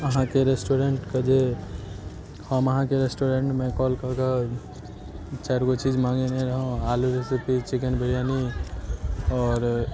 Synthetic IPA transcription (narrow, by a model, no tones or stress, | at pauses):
əɦãkeɾesʈoɾeɳʈked͡ʒe | həməɦãkeɾesʈoɾẽɳʈmẽkɔlkəka | t͡ʃɛɾkot͡ʃid͡ʒmãŋɡeneɾəɦõaluɾesipit͡ʃikənbʱəɾijani | ɔːɾ